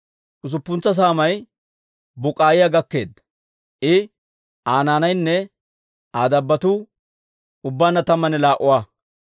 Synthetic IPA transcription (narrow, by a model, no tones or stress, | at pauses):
ʔʊs̬ʊpːʊnt͡sːɐs̬aːmɐj | bʊkʼaːjɪjaɡɐkːe̞ːd̪ɐ | ʔɪ | ʔaːnaːnɐjnːɛ | aːd̪ɐbːɐt̪u | ʊbːaːnːɐt̪ɐmːɐnɛlaːʔʊwaː